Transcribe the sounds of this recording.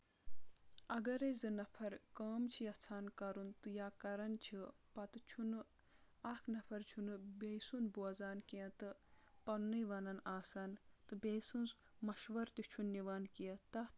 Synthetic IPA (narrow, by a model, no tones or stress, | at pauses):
ɐɡɐɾezɨnɐpʰɐɾkəːmt͡ʃʰijɐt͡sʰaːnkɐɾunt̪ɨjaːkɐɾɐnt͡ʃʰipɐt̪ɨt͡ʃʰunɨ | akʰnɐpʰɐɾt͡ʃʰunɨbejsunbuɐzaːnkiɐ̃t̪ɨpɐnːɨjʋɐnɐnaːsaːnt̪ɨbejsunz | mɐʃʋɐɾt̪it͡ʃʰunːiʋaːnkijɐt̪ɐ